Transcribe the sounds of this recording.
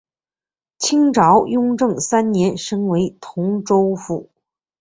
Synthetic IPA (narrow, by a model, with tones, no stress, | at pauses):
t͡ɕʰi˥ŋʈ͡ʂɑ˧˥ʊjʊ˥ŋʈ͡ʂɤ˥˩ŋsa˥nnjɛ˧˥nʂɤ˥ŋwe˧˥ɪt̪ʰʊ˧˥ŋʈ͡ʂo˥ʊfu˥˩